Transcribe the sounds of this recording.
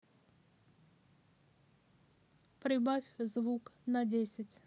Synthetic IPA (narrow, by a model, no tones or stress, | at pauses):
pɾʲɪbafʲzvuknadʲesʲɪtʲ